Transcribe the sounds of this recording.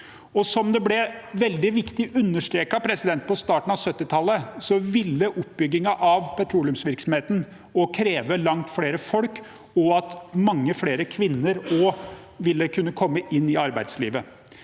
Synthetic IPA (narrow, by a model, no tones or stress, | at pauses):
ɔsɔmd̪ɛblɛʋɛld̪ɪʋɪkt̪ɪʔʉnːəʂʈɾeːkɑpʰɾɛsɪd̪ɛnt̪̚pɔst̪ɑːʈɳ̩ɑʋsœt̪ːɪt̪ʰɑlːəsɔʋɪlːəʔʊpːbʏɡːɪŋɑʔɑʋpʰɛt̪ʰɾuːlʉmsʋɪɾksɔm̩heːt̪ən̩ | ɔkʰɾeːʋəlɑŋt̪fɽeːɾəfɔlk | ɔɑt̪mɑŋːəfɽeːɾəkʰʋɪnːəɾɔ | ʋɪlːəkʰʉnːəkʰɔmːəʔɪnːɪɑɾbæɪd̪sliːʋə